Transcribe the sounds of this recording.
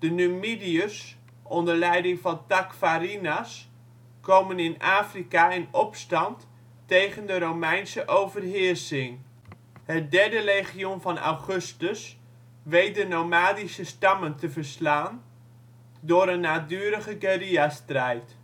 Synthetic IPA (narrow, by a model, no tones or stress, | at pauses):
d̥ənymidiəs | ɔndəɹlɛjdɪŋvɑntakfaɾinas | kowmənɪnaːfrikaɛnɔpstɑnt | tejχəndəɾowmɛjnsəʔowvərɦɪrsɪŋ | hət̚dɛɹdərejχionvɑna̰wχɵstəs | ʋejt̚dənowmaːdisəstɑməntəvərslaːn | dʊːɾənːaːdyːəɾəχəɡeriastrɛjt